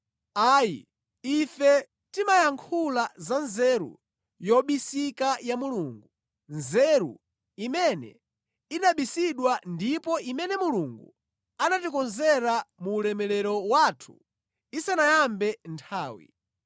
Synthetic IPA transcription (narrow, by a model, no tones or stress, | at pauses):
aːjḭ | ifɛ | timajaŋkʰulazanzɛɾṵ | jɔɓisikajamuluːŋɡu | nzɛɾṵ | imɛnɛ̰ | inaɓisiɗwandipɔʔimɛnɛmuluŋɡṵ | anatikɔnzɛɾamuːlɛmɛlɛɾɔwatʰu̥̰ | isanajambɛntʰaːwḭ